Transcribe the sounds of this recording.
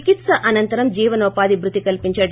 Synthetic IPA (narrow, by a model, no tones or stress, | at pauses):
kit̪sɐʔɐnɐnt̪ɐɾɐmd͡ʒiːʋɐnɔːpaːd̪ibɾut̪ikɐlpiɲt͡ʃɐ